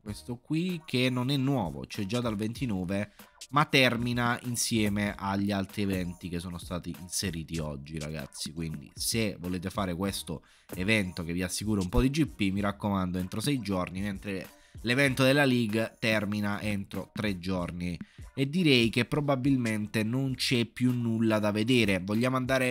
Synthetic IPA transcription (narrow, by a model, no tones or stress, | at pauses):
kwest̪okwikʰenːonɛnːwɔːvo̰t͡ʃɛd͡ʒːad̪alvent̪inɔːvemat̪ːɛrminainsjɛːmeʔaʎːialt̪ɾievɛnt̪ikesːoːnost̪aːt̪iinseɾiːt̪iɔd͡ʒːiɾa̰ɡa̰t̪sːikwind̪ḭsevoleːt̪efaːɾekwest̪o | evɛnt̪ok̟evːiasːikuːɾaumpɔd̪id͡ʒipːimiɾakːomand̪oent̪ɾosɛjd͡ʒɔrniment̪ɾe | levɛnt̪od̪elːaliɡt̪ɛrminaʔent̪ɾot̪ɾed͡ʒːɔrnied̪ːiɾɛjk̟epːɾobabilment̪enont͡ʃɛpːjunːulːad̪aved̪eːɾevoʎːaːmoand̪aːɾe